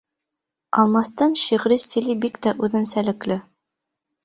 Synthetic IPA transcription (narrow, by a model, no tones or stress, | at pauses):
ɑ̰lˠmɑst̪ɑnʃiʁɾist̪ilibikt̪æʔʉðɘ̆nsælɘ̆klɘ